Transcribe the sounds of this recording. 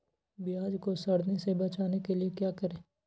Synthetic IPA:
bɪjaːd͡ʒkosɐɽnesebɐt͡ʃaːnekeliekjaːkɐɾẽː

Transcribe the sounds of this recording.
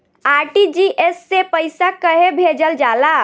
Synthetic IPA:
aɾʈid͡ʒiʔesːepəjsakəɦebʱed͡ʒəld͡ʒala

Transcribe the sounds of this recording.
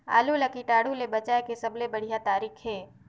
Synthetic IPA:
a̰ːlolakiʈaːɽulebɐt͡ʃaːekesɐblebɐɽ̤ijat̪aːɾiːkʰɦɛː

